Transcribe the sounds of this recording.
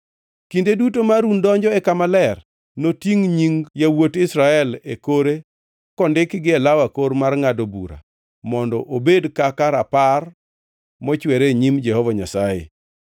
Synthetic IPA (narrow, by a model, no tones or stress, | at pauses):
kindedutomaɾundɔɲd͡ʒɔɛkamalɛr | notiŋɲiŋjawotɪsɾaɛlekoɾe | kɔndɪkɡɪɛlawakoɾmarŋadobṵɾa̰ | mɔndɔʔobedkakaɾapar | mɔt͡ʃwɛɾeɲimd͡ʒɛhɔvɔɲasajḛ